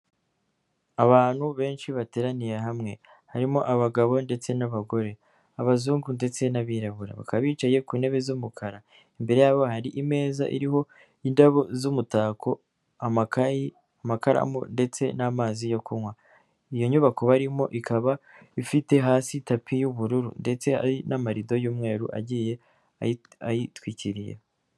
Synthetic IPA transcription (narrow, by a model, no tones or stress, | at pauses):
aβaːnhuβe̞ːnʃiβate̞ːɾanijeɦamŋe̞ | haɾimo̞ʔaβaɡaβo̞nde̞t͡se̞naβaɡo̞ɾe̞ | aβazuːŋɡunde̞t͡se̞naβiɾaβuɾa̰βa̰kaββiːt͡ʃaje̞kuːne̞βe̞zumukʰaɾa | imbe̞ɾe̞jaβo̞haɾiʔime̞ːzaʔḭɾiɦo̞ | indaβozumutaːkʰo̞ | amakaji | amakaɾa̰mo̰nde̞t͡se̞namaːzijo̞kumwa | ijo̞ɲuβako̞βaɾimo̞̰ʔikaβa | ifite̞ɦaːsitapʰijuβuɾuɾṵnde̞t͡se̞a̰ɾinamaɾido̞juːmŋe̞ːɾuʔa̰ɟiːje̞ | ajitwiːciɾijḛ